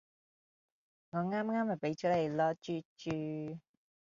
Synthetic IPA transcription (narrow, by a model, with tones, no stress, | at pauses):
ŋɔː˨˧ŋaː˥mŋaː˥ma˨˩pe˨˥jt͡ʃɔː˨˥le˨˧jlɔː˧t͡ʃyː˥t͡ʃyː˧˩